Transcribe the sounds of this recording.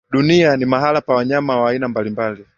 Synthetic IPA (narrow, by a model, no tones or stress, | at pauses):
ɗunianimaɦalapawaɲamawaːinambalimbali